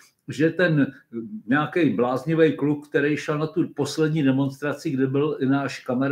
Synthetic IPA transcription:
ʒɛt̪ɛnɲɛakɛjblaːzɲɪvɛjkluk̚kt̪ɛɾɛjʃɛlnat̪upo̞slɛdɲiːdɛmo̞nst̪ɾat͡sɪɡdɪbɪlʔɪnaːʃkamɛɾ

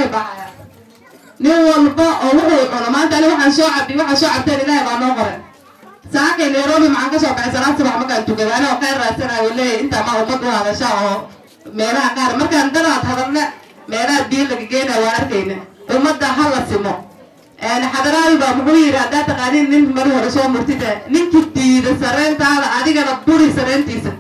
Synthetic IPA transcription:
bɐħjɐ | nɪŋwɐlbɐʔɔːwʊʔʊlħʊnɔmaːnt̪ɐɐnɪwɑħɑːnsɔːʕɑɖɪwɑħaːsɔːʕɑb̚t̪ʰɛːnɪlaːhɛbaːmɐqɔɾɛːn | saːkʰɛjnɛɾɔːmɪmɐʕaːŋkɐsɔːbɐħɛsɐlaːsɪbaħmɐrkʰaːnt̪ʊkɐðɐnɪɣɔqɛraːsɐnajuːlɛːjɛɪnt̪ʰaːmaːʊmɐd̪ʊhɐðɐʃaːɔː | mɛːlɐɦɐqɑːɾɐmɐrkand̪ɐɾaːt̪hɐðɐlnɐ | mɛːlɐɐbiːlːɐɣɐɡɛjnɐːwaːɐrkʰɛjnɪʔʊmɐd̪ːɐɦɐlɐsɪmɔ | ʔɛːnħɑðɐɾaːlbaːmʊɣʊjɪɾɪhɐd̪aːt̪ːɐqaːniːnːɪŋmɐɾɪhɔɾɛsɔːmʊrt̪ʰɪtɛːnɪŋkʰid̪iːðɐsɐɾɛːnt̪ʰaːðɐʔɐðɪɣɐnɐbʊɽɪsɐɾɛːnt̪ʰiːsɐ

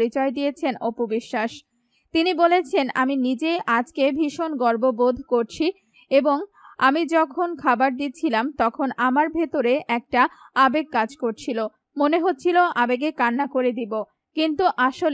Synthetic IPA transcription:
ɾit͡ɕɔed̪ijet͡ɕʰenopobiʃːaʃ | t̪inibolet͡ɕʰena̰minid͡ʑeʔad͡ʑkebʱiʃonɡɔɾbobod̪ʱkoɾt͡ɕʰi | eboŋa̰mid͡ʑɔkʰonkʰabaɾd̪it̪ːt͡ɕʰilamt̪ɔkʰonamaɾbʱet̪oɾeʔɛk̚ʈaabeɡ̚kad͡ʑkoɾt͡ɕʰilo | moneɦot̪ːɕʰiloʔabeɡekanːakoɾed̪ibo | kint̪uʔaʃol

